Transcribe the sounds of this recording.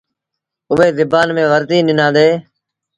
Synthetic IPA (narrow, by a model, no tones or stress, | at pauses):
ʊʋeːzɪbaːnmẽːʋəɾt̪iːnɪnãːd̪eː